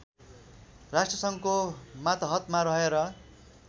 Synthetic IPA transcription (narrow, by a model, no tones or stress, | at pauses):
rasʈrʌsʌŋkomat̪ʌɦʌt̪maɾʌɦeɾʌ